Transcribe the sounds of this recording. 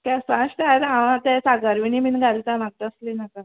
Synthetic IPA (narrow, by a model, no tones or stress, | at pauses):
kɛsaɕt̪aet̪ãʋãt̪ɛsaɡaɾʋiniminɡʱalt̪amaɡ̚t̪eəslinaka